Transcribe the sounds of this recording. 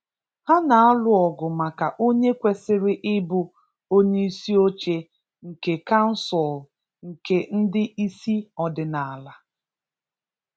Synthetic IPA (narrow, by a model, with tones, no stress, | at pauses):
ha˦na˨a˦lʊ˨ɔ˨ɡʊ˨ma˨ka˨ʔo˦ɲe˦kʷe˨sɪ˦ɾɪ˦ʔɪ˦bʊ˦ | o˦ɲe˦i˦si˦o˦t͡ʃe˦ | ŋ̩˨ke˨ka˦n̩˦sɔ˨l | ŋ̩˨ke˦n̩˦dɪ˦i˦si˦ɔ˨dɪ˨na˨a˨la˨